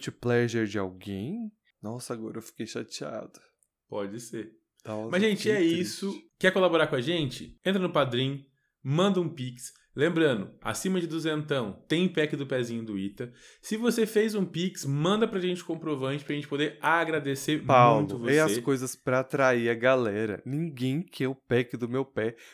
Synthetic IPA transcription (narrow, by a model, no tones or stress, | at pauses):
mut͡ʃɪplɛʒeɾd͡ʒɪa̰wɡẽj̃ | nɔsɐaɡɔ̰ɾɐewfi̥kejʃat͡ʃia̰d̪ʊ | pɔd͡ʒɪseɾ | amɐzʒẽnt͡ʃɪɛisʊkɛkolaboɾaɾkõɐʒẽnt͡ʃɪẽnt̪ɾɐnʊpad̪ɾĩɲ | mɐ̃nd̪ɐũpiks | lẽmbɾɐ̃nd̪ʊa̰sĩmɐd͡ʒɪd̪uzẽnt̪ɐ̃w̃t̪ẽj̃pɛkɪd̪ʊpɛzĩɲʊd̪ʊit̪ɐsɪvosefejzũpiksmɐ̃nd̪ɐpɾɐʒẽnt͡ʃɪ̥kõmpɾovɐ̃nt͡ʃɪ̥pɾɐʒẽnt͡ʃɪ̥pod̪eɾaɡɾad̪eseɾm̃w̃t̪ʊvosɐeskojzɐspɾɐːt̪ɾaiɐɡalɛɾɐ̰nĩŋɡẽj̃kʰɛɾʊpɛkɪd̪ʊmewpɛ